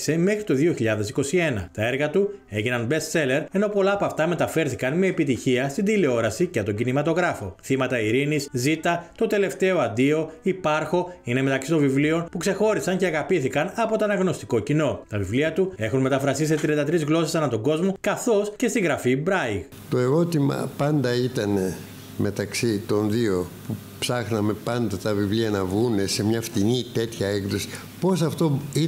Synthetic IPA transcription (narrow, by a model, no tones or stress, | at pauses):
se̞me̞xɾit̪o̞ðioçiʎɐðe̞siko̞sie̞nɐ̰t̪ɐe̞ɾɣɐt̪u | e̞ʝinɐnbe̞st̪se̞le̞ɾe̞no̞po̞lɐːpoɐft̪ɐme̞t̪ɐfe̞ɾθikɐnme̞ːpit̪içiɐst̪ind̪ileo̞ɾɐsiceɐt̪o̞ɲɟinimɐt̪o̞ɣɾɐfo̞̰θimɐt̪ɐiɾiniszit̪ɐt̪o̞t̪e̞le̞ft̪e̞oɐnd̪io̞ipɐɾxo̞ine̞me̞t̪ɐksit̪o̞ɱvivlio̞npukse̞xo̞ɾisɐɲceɐɣɐpiθikɐnɐpo̞t̪oɐnɐɣno̞st̪iko̞cino̞t̪ɐvivliɐt̪ue̞xunme̞t̪ɐfɾɐsis̬et̪ɾiɐnd̪ɐt̪ɾizɣlo̞sesɐnɐt̪oɡo̞zmo̞kɐθo̞sce̞st̪iɣɾɐfibɾɐjɣ | t̪o̞e̞ɾo̞t̪imɐ̰pɐnd̪ɐit̪ɐne̞ | me̞t̪ɐksit̪o̞nðio̞pu | psɐxnɐme̞pɐnd̪ɐt̪ɐvivliɐnɐvɣune̞se̞mɲɐft̪init̪e̞t̪çɐekðosi̥ | po̞s̬ɐft̪oi